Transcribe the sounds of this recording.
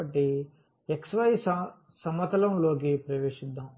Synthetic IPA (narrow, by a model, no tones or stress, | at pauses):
ɐʈːi | eksʋɐjs | sɐmːɐt̪ɐlɐmlo̞ːk̬ipɾɐʋeːʂid̪ːaːm